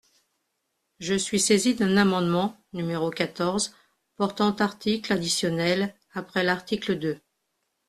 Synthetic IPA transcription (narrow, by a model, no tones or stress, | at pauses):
ʒəsɥisezid̪ɛ̃namɑ̃d̪mɑ̃ | nymeʁokat̪ɔʁz | pɔʁt̪ɑ̃t̪aʁt̪iklad̪isjɔnɛl | apχɛlaʁt̪ikləd̪ø